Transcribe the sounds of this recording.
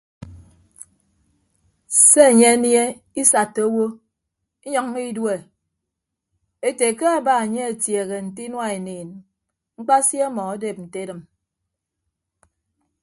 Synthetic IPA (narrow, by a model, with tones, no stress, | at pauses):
se˦e˨ɲe˦e˦nje˦ | i˦sa˨tːo˦wo˦ | i˦ɲɔ˦ŋ˦i˦dwe˨ | e˦te˨ke˦a˦˨ba˦˨e˨ɲe˦e˨tje˨ɣe˨n̩˨ti˦nwa˦e˨niː˨n | ŋ͡m̩˦k͡pa˦sje˦mɔ˨a˦de˨p̚n̩˨te˦dɨ˨m